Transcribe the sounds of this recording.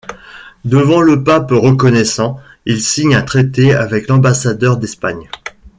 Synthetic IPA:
d̪əvɑ̃ləpapʁəkɔnɛsɑ̃ | ilsiɲɛ̃t̪χet̪eavɛklɑ̃basad̪œʁd̪ɛspaɲ

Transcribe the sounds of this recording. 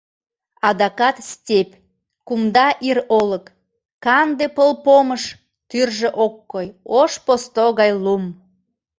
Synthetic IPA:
ɑd̪ɑkɑt̪stʲep | kumd̪ɑʔiɾoləkː | ɑnd̪epəlpoməʃ | t̪yrʒeʔokːojoʃpost̪oɣɑjlum

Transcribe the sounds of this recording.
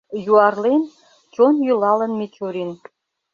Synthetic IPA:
juɑrlen | t͡ɕonjulɑlənmet͡ɕoɾin

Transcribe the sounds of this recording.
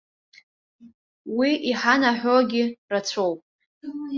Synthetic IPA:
wiʔiħanaħʷoɡʲɪrat͡sʷʰowpʼ

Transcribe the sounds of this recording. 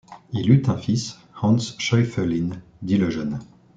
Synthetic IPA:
ilyt̪ɛ̃fis | hɑ̃nsʃɔjfɛlind̪iləʒœn

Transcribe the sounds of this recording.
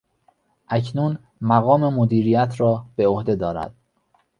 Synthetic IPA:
ʔæcʰnun | mæɣɒːme̞mod̪iːɾijæt̪ʰɾɒːb̥eohd̪e̞d̪ɒːɾæ̰d̪̥

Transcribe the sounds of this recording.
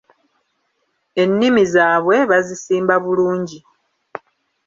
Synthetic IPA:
e̞nːimizaːβwe̞βazisiːmbaβuluːɲɟi

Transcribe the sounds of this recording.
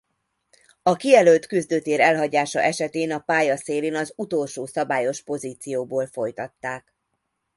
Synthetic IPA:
ɒkiɛlølt̪kyzd̪øːt̪eːɾɛlɦɒɟaːʃɒ̰ʔɛʃɛt̪eːnɒpaːjɒseːleːnɒzut̪oːlʃoːsɒbaːjo̞ʃpo̞ziːt̪sijoːboːlfo̞jt̪ɒt̪ːaːk

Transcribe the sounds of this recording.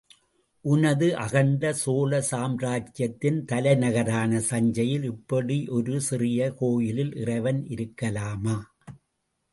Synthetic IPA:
ʔʊnɐðɯʔɐɣɐɳɖɐsoːlɐsaːmɾaːt͡ʃjɐt̪ːɪnt̪ɐlɐɪnɐɣɐɾaːnɐsɐɲd͡ʒɐjɪlɪpːɐɽiʔɔɾɯsɪrɪjɐkoːjɪlɪlʔɪrɐɪʋɐnɪɾɯkːɐlaːmaː

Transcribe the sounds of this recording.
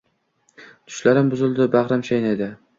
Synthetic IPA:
t̪ʰʊ̥ʃlaɾɪmbʊzɪld̪ɪbaχɾamʃajnad̪ɪ

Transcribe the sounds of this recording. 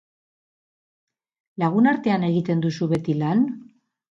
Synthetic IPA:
laɣ̞unaɾt̪e̞ane̞ɣ̞it̪e̞nd̪usuβe̞t̪ilan

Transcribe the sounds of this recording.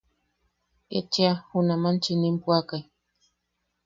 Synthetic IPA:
ḛt͡ʃiahunamant͡ʃinimpwakaj

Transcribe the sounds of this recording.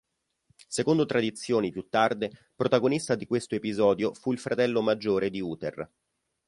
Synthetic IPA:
sekond̪ot̪ɾad̪it̪sːjoːnipjut̪ːard̪e | pɾot̪aɡonist̪ad̪ikwest̪oepizɔːd̪jofuilfɾʔat̪ɛlːomad͡ʒːoːɾed̪iuːt̪er

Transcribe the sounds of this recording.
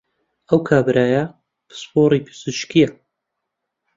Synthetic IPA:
ʔəwkʰaːbɨɾʔaːjɐ | b̥ɨ̥spoːɾiːpʰɨ̥z̥ɨʃkijɐ

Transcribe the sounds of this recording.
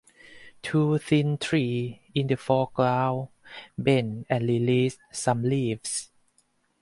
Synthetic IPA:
tʰuːθĩnt̪ʰɹiːĩndəfɔklaw | benɛ̃nɹilis | sãmlivs

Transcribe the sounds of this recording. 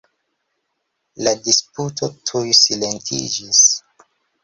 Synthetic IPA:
ladisputʰo̞tʰujsile̞ntʰḭd͡ʒis

